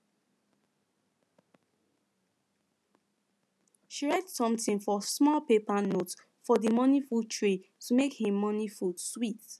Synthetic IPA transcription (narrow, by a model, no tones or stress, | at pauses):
ʃiɹɛtsɔ̃mtĩnfɔsmɔlpepanot | fɔdimɔnifutʰɹetumekhĩmːɔnifudswit